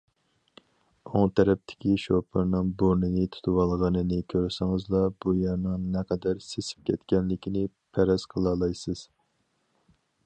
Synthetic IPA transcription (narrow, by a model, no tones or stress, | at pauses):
oŋt̪ʰɛɾɛp̚t̪ʰɪ̥kʲiʃopʰɨɾnɨŋboɾnɨnɨt̪ʰu̥t̪ʰɨwɑlˠʁɑnɨnɨkʲʰøɾsɪŋɨzlˠɑbujæɾnɨŋnɛqʰɛd̪æɾsesɪ̥p̚kʲʰɛt̪kʲɛnlɪkʲinɪ | pʰɛɾɛzqʰəlˠɑːlˠɑjsɨz̥